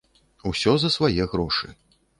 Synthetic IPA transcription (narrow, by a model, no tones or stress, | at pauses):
usʲɔzɐsvajɛɣɾɔʂɨ̰